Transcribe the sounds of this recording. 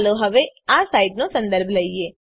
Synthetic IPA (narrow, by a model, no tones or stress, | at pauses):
loɦəʋeasaːɪɖnũːsə̃nd̪əɾbʱləieː